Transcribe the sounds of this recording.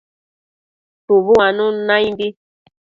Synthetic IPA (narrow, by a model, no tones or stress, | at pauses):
tuβuanũnãjimbi